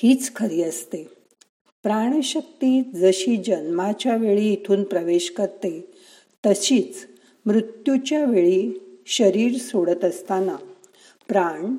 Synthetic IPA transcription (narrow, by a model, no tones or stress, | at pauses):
hiːt͡skʰəɾiːəst̪e | pɾaɳ̃əɕək̚t̪iːd͡zəɕiːd͡ʑənmat͡ɕjaʋeɭiːt̪ʰuːnpɾəʋeɕkəɾt̪e | t̪əɕiːt͡s | mɾut̪jut͡ɕjaʋeɭiːɕəɾiːɾsoɽət̪əst̪ana | pɾaɳ